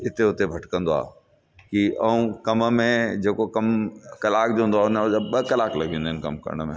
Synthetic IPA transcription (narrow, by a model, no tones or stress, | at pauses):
ɪt̪eʊt̪ebʱɐʈkɐ̃nd̪oa̰ː | kiɐũkɐməmẽd͡ʑeːkokɐmkɐlaːkd͡ʑõɦũnd̪aːʊnɓɐkɐlaːklɐ̰ɡʱĩũnd̪eːɪnkɐmkɐ̰ɾəɽ̃mẽ